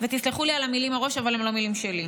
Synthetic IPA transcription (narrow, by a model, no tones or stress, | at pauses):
vet̪isliχulialamilimaʁo̞ʃavalemlo̞milimʃeli